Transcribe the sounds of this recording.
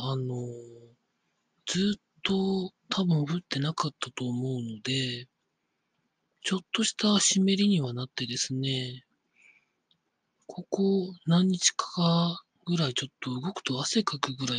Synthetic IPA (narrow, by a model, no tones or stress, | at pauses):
ano̞ | d͡z̥ɨːt̪ːo̞t̪ʰabɯ̟̃ɰ̃ɸɯ̟t̪ːe̞nakat̪ːat̪o̞ːmo̞ɯ̟no̞d̪e̞ | t͡ɕo̞t̪ːo̞ɕi̥t̪aɕime̞ɾʲiɲ̟iβanat̪ːe̞d̪e̞sɨne̞ | kʰo̞ko̞nãɲ̟ːit͡ɕi̥kḁka | ɡɯ̟ɾait͡ɕo̞t̪ːo̞ɯ̟ɡo̞kɯ̟̥t̪o̞ase̞kakɯ̟ɡɯ̟ɾai